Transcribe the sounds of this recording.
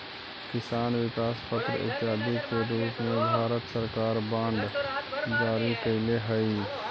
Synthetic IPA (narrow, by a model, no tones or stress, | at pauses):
kɪsaːnʋɪkaːspət̪ɾə̰ɪ̰t̪ɪɦaːd̪ikeɾuːt̪mẽbʱaːɾət̪səɾkaːɾbãːɳɖd͡ʒaːɾikəɪleɦəi